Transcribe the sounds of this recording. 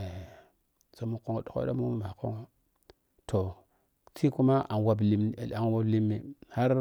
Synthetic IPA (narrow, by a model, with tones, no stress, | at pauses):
e˨ | so˨mu˦ko˦ŋo˨ɗo˨ko̰˦da˦mu˦mu˦˨ma˨ko˦ŋo˦ | tʰo˨ | tʰi˦ku˦ma˦ʔa˨nwa˨b̬li˨m˨a˨nwa˦bli˦mːi˨ha˦ɾ